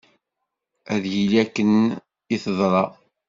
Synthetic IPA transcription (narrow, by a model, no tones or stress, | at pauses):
æðjilækːən | iθəðˤɾˤɑ